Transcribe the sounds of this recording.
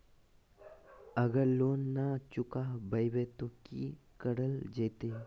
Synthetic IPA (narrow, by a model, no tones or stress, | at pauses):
ɐɡəɾloːnːat͡ʃʊkabəjbet̪okḭ | kəɽəld͡ʒet̪eː